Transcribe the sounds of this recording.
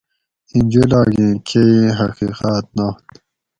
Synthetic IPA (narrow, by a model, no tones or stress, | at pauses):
inʲd͡ʑelaːɡĩːkʰeiɦɐqiːqaːt̪̚naht̪